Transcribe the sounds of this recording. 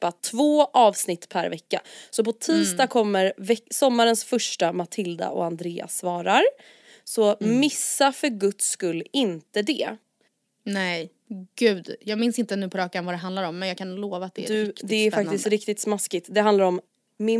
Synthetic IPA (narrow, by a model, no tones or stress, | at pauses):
at̪ʰvoːʔɑːvsnɪt̪ːpʰæɾvɛkːa̰sɔpɔt̪ʰiːst̪ɑːkʰɔmːəɾvɛsɔmːaɾənsfœʂʈamat̪ʰɪld̪a̰ʔɔ̰and̪ɾeːa̰svɑːɾaɾ | sɔmɪsːafœɾɡɵt̪skɵlːɪnt̪əd̪ɛ | nɛj | ɡ̥ʉ̟ːd̪jɑːɡmɪnsɪnt̪ənʉ̟ːpʰɔɾɑːkanvad̪ɛɦand̪laɾɔmːɛnjaːɡkʰanːloːvat̪̚d̪ɛ̰d̪ɵd̪ɛæɾfak̚t̪ɪst̪ɾɪk̚t̪ɪt̪smaskɪt̪d̪ɛɦand̪laɾɔm | mɪ